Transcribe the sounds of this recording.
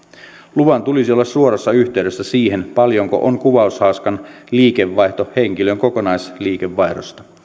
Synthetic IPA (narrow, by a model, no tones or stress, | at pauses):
luʋɑnt̪ulisiolːɑssuoɾosːɑyçt̪eydøsːæsiːhenpɑljoŋko̰ʔoŋkuʋɑushɑuskɑnliːke̞ʋːɑjht̪oheŋkiløŋkoko̞nɑjsliːkeʋːɑjɾo̰st̪ɑ̥